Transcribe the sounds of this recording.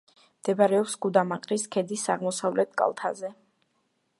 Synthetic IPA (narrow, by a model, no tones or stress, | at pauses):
md̪̥ɛbaɾɛɔpsɡud̪amaqʼɾiskʰɛd̪isaʁmɔsavlɛt̪̚ʰkʼa̰lˠt̪ʰa̰zɛ